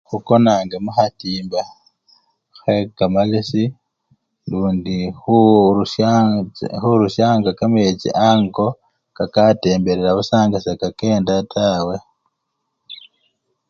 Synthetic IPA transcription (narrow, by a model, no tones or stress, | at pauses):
xuko̞naːŋɡamuxatiːmba | xwekamalisi | luːndixu | xuɾuʃaːŋɡakamjet͡ʃḭʔaːŋko̞ | kakate̞ːmbeɾeɾaβusaːŋɡasakake̞ːndatʰaːwe̞